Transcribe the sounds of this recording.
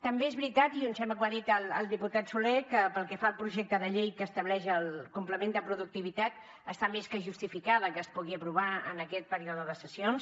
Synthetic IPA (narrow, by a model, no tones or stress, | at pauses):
t̪əmbeezβɾit̪at̪iunsɛmbəkwaðit̪ələ̰lˠd̪iput̪at̪sulekəpəlˠkɛfaəlˠpɾuʒɛk̚t̪əðəʎejkəːst̪əβlɛʃəlˠkumpləmend̪əpɾuðuk̚t̪iβit̪at̪ | əst̪ameskəʒust̪ifikaðəkəːspuɣiəpɾuβ̞aə̰nəkɛt̪̚pəɾioðəðəsəsions